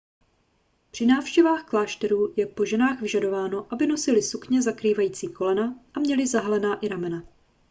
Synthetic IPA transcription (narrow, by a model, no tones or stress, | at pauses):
pr̥ɪnaːfʃcɛvaːxklaːʃt̪ɛɾuːjɛpo̞ʒɛnaːxvɪʒado̞vaːno̞ʔabɪno̞sɪlɪsukɲɛzakɾiːvajiːt͡siːko̞lɛnaʔamɲɛlɪzaɦalɛnaːʔɪɾamɛna